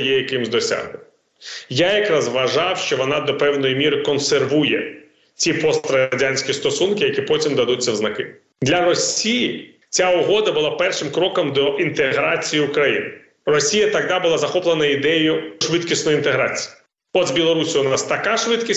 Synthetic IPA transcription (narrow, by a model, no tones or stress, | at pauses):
jɛjɐkɪmzʲd̪ɔsʲa̰ɦnɪ | jajɐkɾazʋɐʒɑwʃt͡ʃɔʋɔnɑd̪ɔpɛwnɔjimʲiɾɪkɔnserʋujɛ | t͡sʲipɔst̪ɾɐɐdʲanʲsʲkʲist̪ɔsunkɪjɐkʲipɔtʲimd̪ɐd̪utʲt͡sʲːɐwznɐkɪ̰ | d̪lʲɐɾɔsʲiji | t͡sʲaʊɦɔd̪ɐbʊlˠɑpɛrʃɪmkɾɔkɔmd̪ɔʔint̪eɦɾat͡sʲijiʊkɾɐjḭnɪ | rɔsʲijɐt̪ɐɣd̪abʊlˠazɐxɔplˠenɐid̪ɛjʊʃʋɪt̪kʲisʲtnɔjʊint̪eɦɾat͡sʲi̥ji | ɔd̪zbʲilˠɔɾusʲiʊnɑst̪ɐkaʃʋɪt̪kʲi